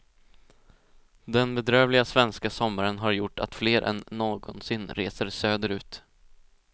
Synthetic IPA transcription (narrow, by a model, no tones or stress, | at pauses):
d̪ɛnbɛd̪ɾøːvlɪɡasvɛnskasɔmːaɾənɦaɾjʊʈːa̰t̪fleːɾʔɛ̰nːoːɡɔnsɪnːɾeːsəɾsøːd̪əɾʉ̟ːt̪